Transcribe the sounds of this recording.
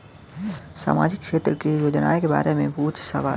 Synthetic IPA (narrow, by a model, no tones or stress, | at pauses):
sa̰ːmaːd͡ʒɪkːʃeːt̪ɾəkijoːd͡ʒna̰ːjkeba̰ːɾemẽbʱuːt͡ʃsa̰ʋa̰ː